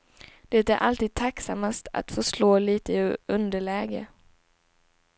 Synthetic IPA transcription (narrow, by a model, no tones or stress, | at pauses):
d̪̥ɛt̪æɾʔalt̪iːd̪̚t̪ʰaksamːast̪a̰t̪fœʂloːliːt̪əɵnd̪əɭɛːɡə̰